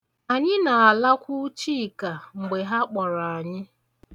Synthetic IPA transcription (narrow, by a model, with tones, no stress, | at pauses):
a˨ɲɪ˦na˨a˨la˦kʷu˦t͡ʃi˦˨ka˨ŋ͡m̩˨ɡ͡be˨ɦa˦k͡pɔ˨ɾa˨a˨ɲɪ˦